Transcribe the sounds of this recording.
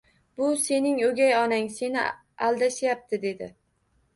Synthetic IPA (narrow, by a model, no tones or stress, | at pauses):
bʊse̞nɪŋoɡʲajɒnaŋse̞nɪ | alˠd̪aʃjap̚t̪ʰɪd̪e̞d̪ɪ̰